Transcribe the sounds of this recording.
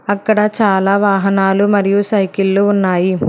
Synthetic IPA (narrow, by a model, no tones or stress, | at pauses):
ɐkːɐɽɐt͡ʃaːlaːʋaːɦɐnaːlumɐɾijuʃɐjkilːuunːaːji